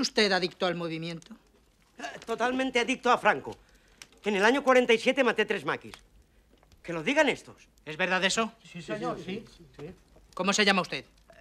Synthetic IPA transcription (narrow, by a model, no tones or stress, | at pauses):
ust̪eðaðikt̪oalmoβ̞imjẽ̞nt̪o | t̪ot̪almẽnt̪eaðik̚t̪oafɾaŋko̰ | ene̞laɲokwaɾe̞nt̪ajsje̞t̪emat̪et̪ɾe̞zma̰kḭs | ke̞lo̞ðiɣane̞st̪o̞s | ezβeɾðaðeso | ko̞moseʝamaust̪eð